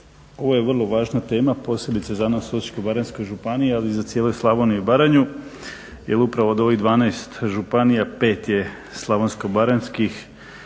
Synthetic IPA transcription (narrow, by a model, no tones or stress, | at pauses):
o̞ʋoje̞ʋrlˠo̞ʋaːʒnat̪e̞ːmapo̞ːsjebit̪sezanasot͡ʃkobaɾenskojʒupanijealizat̪sjeːlojslˠaʋoniubaɾaɲu | jelupɾaʋod̪o̞ʋiɣd̪ʋaːnajst̪ʒupanijape̞ːt̪je̞ | slˠaʋonskobaɾenskix